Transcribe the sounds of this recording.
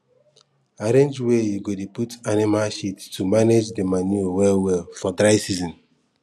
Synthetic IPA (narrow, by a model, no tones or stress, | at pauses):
aɾẽnd͡ʒwejuɡodeputanimalʃittumaned͡ʒdemanuwɛwɛlfɔdɾaɪsizɔ̃n